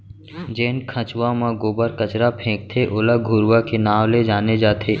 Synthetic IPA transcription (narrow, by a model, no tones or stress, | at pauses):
d͡ʒeːnkʰə̃t͡ʃʋãmãɡoːbəɾkət͡ʃɾapʰẽːɡ̚t̪ʰeʔʊːləɡʱuɾʋakenaːʋled͡ʒaːned͡ʒaːt̪ʰeː